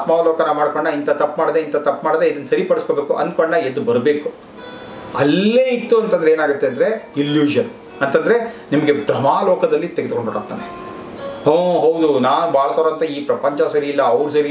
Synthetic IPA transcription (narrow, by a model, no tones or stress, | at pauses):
t̪mɐʋloːkɐnɐamaːɽkoɳɖɐint̪ɐt̪ɐpːmaːɽd̪eint̪ɐt̪ɐpːmaːɽd̪eid̪ɐnːsɐɾipɐɽisko̞beːkuʔɐ̰nd̪koɳɖɐed̪ːubɐɾbe̞ːku | ɐlːeːit̪ːuɐnt̪ɐnd̪ɾeːnaːɡut̪ːeɐnd̪ɐɾe̞ilːjuːd͡ʒɐn | ɐnt̪ɐnd̪ɐɾe̞nimɐɡe̞bɾɐmaːloːkɐd̪ɐlːit̪eɡed̪̚koɳɖbɐɽat̪ːa̰ːne | hõːɦɐwd̪unaːnubʱaːɭɐt̪ɐːɾoɐnt̪ɐiːpɾɐpɐɲt͡ʃɐsɐɾiːlːɐːʋɾus̬ɐɾi